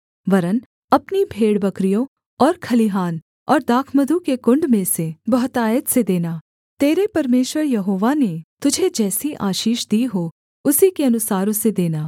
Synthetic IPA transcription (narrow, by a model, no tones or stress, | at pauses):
ʋɐɾən | ɐpnibʱeːɽbɐkɾijõ | ɔːɾkʰɐliɦaːn | ɔːɾd̪aːkʰməd̪ʱukekʊ̃ɳɖmẽsebɐɦt̪aːjət̪sed̪eːnaː | t̪eːɾepɐɾmeːʃwəɾjɐɦoːʋanet̪ʊd͡ʒʱed͡ʒɛːsiʔaːʃiːʃd̪iːɦo | ʊsikeɐnʊsaːɾõsed̪eːnaː